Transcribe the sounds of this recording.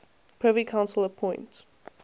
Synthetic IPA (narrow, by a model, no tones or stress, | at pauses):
pʰɹ̥ɛvəɹikʰãʊ̃nsəlˠəpʰɔ̃ɪ̃nt